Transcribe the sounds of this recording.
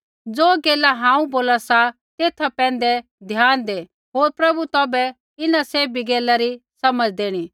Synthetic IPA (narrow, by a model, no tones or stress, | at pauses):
d͡zoːɡeːlaɦãːũboːlasa | t̪eːt̪ʰapɛ̃ːn̆d̪ɛ | d̪ʱjaːnd̪eː | ɦoːɾpɾɐbut̪ɔːbɛ | ɪnaseːbiɡeːlaɾisɐməd͡zd̪eːɽ̃iː